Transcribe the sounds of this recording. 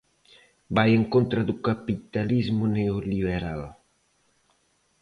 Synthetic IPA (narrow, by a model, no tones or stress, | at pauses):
bajeŋkont̪ɾad̪ukapit̪alizmuneoliβeɾal